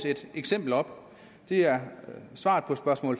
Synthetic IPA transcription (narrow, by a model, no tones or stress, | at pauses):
se̝d̥eɡ̥sem̰b̥l̩ɒ̽b̥ | d̥e̝æɐsʋɑ̈ːd̥ˠpʰɒ̽sb̥ɶɐsmɔ̰ːl